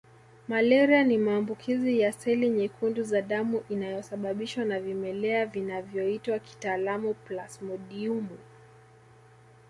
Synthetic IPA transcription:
malɛɾianimaːmbukʰizijasɛliɲɛkʰunduzaɗamuʔinajɔsaɓaɓiʃwanavimɛlɛavinavjɔitwaki̥taːlamuplasmɔɗiumu

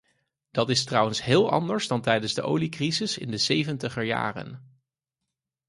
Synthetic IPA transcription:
d̥ɑtɪstrʌwənsɦɪːlˠʔɑ̰ndəɹzdɑntɛjdənzdəʔowlikrizɪsɪ̰ndəsejvəntəχəɹja̰ːrə̰n

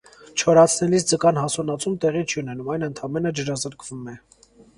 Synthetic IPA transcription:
t͡ʃʰɔɾɑt͡sʰnɛlisd͡zəkɑnɦɑsɔnɑt͡sʰumt̪ɛʁit͡ʃʰiunɛnumɑjnənt̪ʰɑmɛnəd͡ʒəɾɑzəɾkʰvumɛ

